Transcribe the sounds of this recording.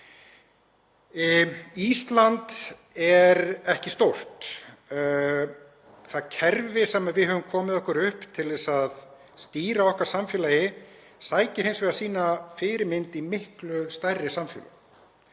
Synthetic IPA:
ist̪lant̪ | ɛɾɛhcɪst̪owr̥t̪ | θaðcʰɛɾvɪsɛːmaðvɪðɦœvʏmkʰɔːmɪðɔhkʏɾʏhpt̪ʰɪlðɛsað | st̪iːɾaɔhkaɾ̥samfjɛːlajɪ | saːjcɪɾ̥hejnsvɛɣðasiːnafɪːɾɪmɪnt̪imɪhklʏst̪ajrːɪsamfjɛ̰ːla̰

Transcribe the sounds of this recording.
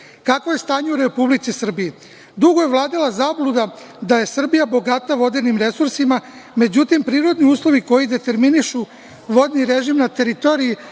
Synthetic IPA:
kakʋoje̞st̪aːɲeuɾe̞publit̪sisr̩bii | d̪uɡo̞je̞ʋlˠaːd̪ilˠazaːblˠud̪a | d̪aje̞sr̩bijabo̞ɡat̪aʋo̞d̪enimɾe̞suɾsima | me̞d͡ʑut̪impɾiːɾo̞d̪niuːslˠo̞ʋiko̞jid̪e̞t̪e̞ɾminiʃu | ʋo̞d̪niɾe̞ʒimnat̪e̞ɾit̪o̞ːɾii

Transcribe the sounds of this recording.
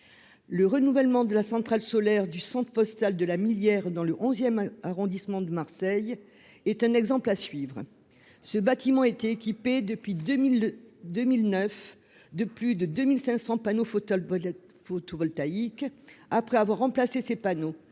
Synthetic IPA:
ləʁənuvɛlmɑ̃d̪əlasɑ̃t̪χalsɔlɛʁd̪ysɑ̃t̪χəpɔst̪ald̪əlamiljɛʁd̪ɑ̃ləʔɔ̃zjɛmaʁɔ̃d̪ismɑ̃d̪əmaʁsɛj | ɛt̪ɛ̃nɛɡzɑ̃plasɥivʁ | səbat̪imɑ̃ɛt̪ɛekʲiped̪əpɥi | d̪ømilnœf | d̪əplyd̪əd̪ømilsɛ̃sɑ̃panof | fot̪ovɔlt̪aikapχɛavwaʁːɑ̃plasesepano

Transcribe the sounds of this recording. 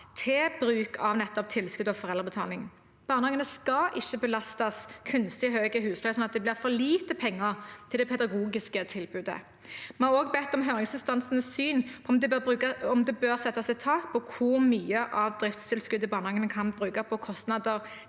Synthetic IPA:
t̪ʰɛːbɾʉːkʰɑʋnɛt̪ːɔp̚t̪ʰɪlskʉd̪ɔfɔʁɛlʁəbət̪ʰɑ̰ːlɪŋ | b̥ɑːʁnəhɑŋənəskɑʔɪçːəbəlɑst̪ɑskʰʉnst̪ɪɦøːɡəhʉːslɑsɔnɑt̪̚d̪ɛblɪʁfɔʁliːt̪əpʰɛŋːəʁt̪ʰɪld̪ɛpʰɛd̪ɑɡuːɡɪskət̪ʰɪlbʉːd̪ə̰ | mɛnhɑʁoːɡbɛt̪ːɔmɦøːʁɪŋsɪnst̪ɑnsənəsyːnʰɔmd̪ɛʉːkɑɔmd̪ɛbøːʁsɛt̪ːɑsɪt̪ʰɑːkpʰɔkʰʊʁmyːəʔɑʋd̪ʁɪft̪st̪ʰɪlskʉd̪əbɑːʁnɑŋənəkʰɑnbʁʉːkɑpʰɔkʰɔst̪nɑd̪əʁ

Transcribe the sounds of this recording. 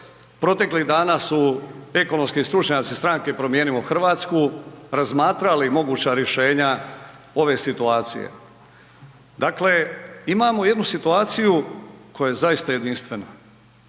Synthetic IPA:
pɾo̞t̪e̞kliɣd̪aːnaːsue̞ko̞nomskist̪ɾut͡ʃɲat̪sist̪ɾaŋke̞pɾo̞mje̞ːnimoxr̩ʋaːt̪skuɾazmaːt̪ɾalimo̞ɡuːt͡ɕaɾje̞ʃe̞ːɲa | o̞ʋe̞sit̪uaːt̪sḭjḛ | d̪akle̞imaːmo̞je̞d̪nusit̪uaːt̪sijuko̞jajezaist̪aje̞d̪inst̪ʋe̞na

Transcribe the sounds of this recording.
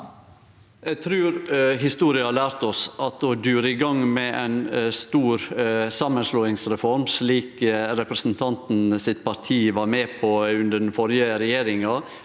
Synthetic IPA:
ɛɡt̪ʰɾʉːɾɦɪst̪uːɾɪɑhɑːɭæːɾt̪ɔsɑt̪ɔd̪ʉːɾəɪɡɑŋmɛʔɛ̰nst̪uːɾsɑmənsloːɪŋsɾɛfɔɾmʂliːkɾɛpɾəsn̩t̪ʰɑnt̪n̩sɪt̪̚pʰɑɾt̪ʰiːʋɑɾmeːpʰɔʉnd̪əɖɛn̩fɔɾjəɾɛjeːɾɪŋɑ

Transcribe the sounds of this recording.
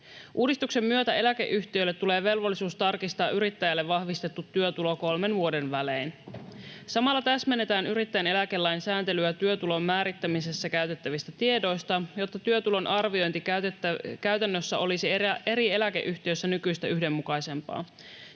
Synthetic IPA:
ʔuːdist̪ukse̞mːyøt̪æe̞læke̞̰ʔyçt̪iøjlːet̪ːule̞ːʋe̞lʋo̞lːisuːst̪ɑrkist̪ɑːʔyɾit̪ːæjælːeʋːɑhʋist̪et̪ːut̪ːyøt̪ulo̞ko̞lme̞nʋuode̞nʋæle̞ːn | sɑmɑlːɑt̪æsme̞nːet̪æːnyɾit̪ːæjene̞lækelːæjnsæːnt̪e̞lyæt̪yøt̪ulo̞mːæːɾit̪ːæmise̞sːækæyɥt̪e̞t̪ːæʋist̪æt̪ie̞do̞jst̪ɑjo̞t̪ːɑt̪yøt̪ulo̞nʔɑrʋio̞jnt̪itːkæɥt̪ænːøsːæʔo̞lisie̞ɾie̞læke̞̰ʔyçt̪iøsːænykyjst̪æyhde̞mːukɑjse̞mpɑ̰ː

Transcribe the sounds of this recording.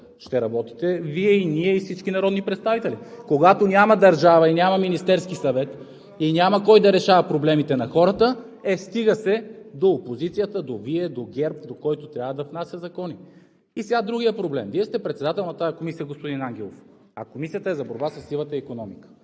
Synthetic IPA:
ʃt̪ɛɾɐbɔt̪i̥t̪ɛviɛiniɛifsit͡ʃkinɐɾɔd̪nipɾɛt̪st̪avit̪ɛlikoɡat̪onʲamɐd̪ɐɾʒavɐinʲjamɐminist̪ɛɾskisɐvɛt̪ | inʲamɐkɔjd̪ɐɾɛʃavɐpɾoblɛmit̪ɛnɐxɔɾət̪ə | ɛst̪iɡəsɛd̪oːpozit̪sijət̪əd̪oviɛd̪oɡʲɛɾp̚d̪okɔjt̪ot̪ɾʲjavəd̪ɐfnasjəzɐkɔni | isɛɡad̪ɾuɡʲijəpɾoblɛmviɛst̪ɛpɾɛt̪sɛd̪at̪ɛlˠnɐt̪ajɐkomisijəɡospod̪inaŋɡ̟ɛlˠo̰f | ɐkomisiət̪əɛzɐboɾbasɐsːilˠət̪əikonɔmikə̥

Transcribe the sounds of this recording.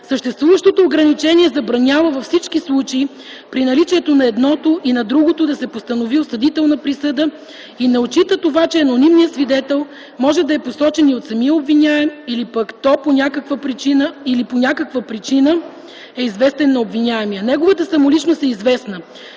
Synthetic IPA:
səʃt̪ɛst̪vuvəʃt̪ot̪oːɡɾɐnit͡ʃɛniɛzɐbɾɐnʲavəvɐfsit͡ʃkislˠut͡ʃei | pɾinɐlit͡ʃiɛt̪onɐɛd̪nɔt̪oʔinɐd̪ɾuɡot̪od̪ɐsɛpost̪ənoviosɐd̪it̪ɛlˠnɐpɾisɤd̪ə | inɐot͡ʃit̪ət̪ovat͡ʃɛɐnonimnijəsvid̪ɛt̪ɛlˠ | mɔʒɛd̪ɐɛposɔt͡ʃɛniot̪sɐmiəobvinʲaɛmilipəkt̪ɔponʲakəkvəpɾit͡ʃinəiliponʲakəkvəpɾit͡ʃinə | ɛizvɛst̪ɛnːɐobvinʲaɛmiənɛɡovət̪əsɐmolit͡ʃnost̪ɛizvɛsnə

